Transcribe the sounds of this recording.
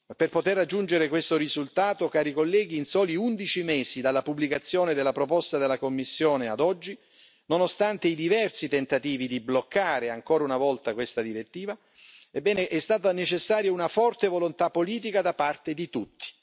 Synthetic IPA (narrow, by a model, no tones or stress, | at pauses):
perpot̪erːad͡ʒːund͡ʒeɾekwest̪orizult̪aːt̪okaːɾikolːɛːɡ̟iːnsɔːliund̪it͡ʃimɛːsid̪alːapublikat̪sːjoːned̪elːapɾopɔst̪ad̪elːakomːisːjoːnead̪ɔd͡ʒːi | nonost̪ant̪eid̪ivɛrsit̪ent̪at̪iːvid̪iblokːaːɾeaŋkɔːɾaunavɔlt̪akwest̪ad̪iɾet̪ːiːva | ebːɛːneʔɛst̪aːt̪anet͡ʃesːaːɾjounafɔrt̪evolont̪apːoliːt̪̬ikad̪apart̪ed̪it̪ut̪ːi̥